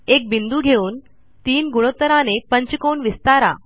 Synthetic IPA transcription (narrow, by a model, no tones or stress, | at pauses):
ek̚bind̪uːɡʱeuːn | t̪iːnɡuɭ̃ot̪ːəɾanepəɲt͡ɕkoɳʋist̪aɾa̰